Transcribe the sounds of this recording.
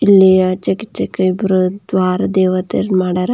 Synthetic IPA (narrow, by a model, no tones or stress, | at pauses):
ilːejɐt͡ʃɐkitːt͡ʃːɐkɐbɾɐd̪ʋaːɾɐd̪eːʋɐt̪ḛɾmaːɽaɾɐ